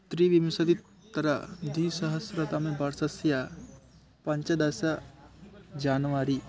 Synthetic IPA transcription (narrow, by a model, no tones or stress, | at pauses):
t̪ɾiːʋimsad̪it̪ | t̪əɾad̪isəɦəsɾat̪amẽbaɾsasja | pãɲt͡ɕad̪asa | d͡ʑanʋaɾi